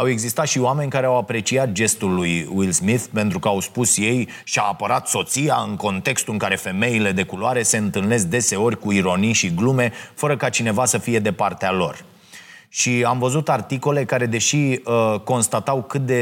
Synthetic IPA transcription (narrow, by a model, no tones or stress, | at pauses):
awe̞ɡzist̪at̪ʃioame̞nʲkaɾeawapɾe̞t͡ʃiat̪̚d͡ʒe̞st̪ulːujwilsmiθpe̞nt̪ɾukəawspusje̞j | ʃiaːpəɾat̪so̞t̪siaɨŋko̞nt̪e̞kst̪uɨŋkaɾe̞fe̞me̞ile̞d̪e̞kuloaɾe̞se̞ɨnt̪ɨlne̞s̬̚d̪e̞se̞o̞rʲkuiɾo̞nijʃiɡlume̞fəɾəkat͡ʃine̞vasəfije̞d̪e̞part̪ealo̞r | ʃiamvəzut̪art̪iko̞le̞kaɾe̞d̪e̞ʃiəko̞nst̪at̪awkɨt̪̚d̪e̞